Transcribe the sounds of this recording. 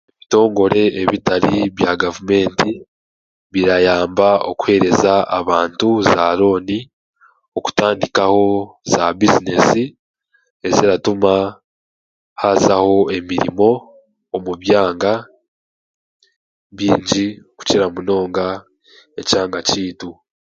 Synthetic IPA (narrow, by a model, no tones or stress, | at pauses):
eβito̞ːŋɡo̞ɾe̞eβitaɾiβjaɡavume̞ːnti | βiɾajaːmbao̞̰ku̥he̞ːɾe̞zaaβaːntuzaːɾo̞ːni | oku̥taːndikaho̞zabizine̞si | e̞ziɾatuma | hazaho̞e̞miɾḭmo̞ː | muβjaːŋɡa | βiːɲɟioku̥ciɾamuno̞ːŋɡa | e̞caːŋɡaciːtu